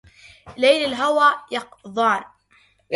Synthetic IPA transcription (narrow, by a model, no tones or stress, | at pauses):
lajlalɦawaːjɑqðˤɑːn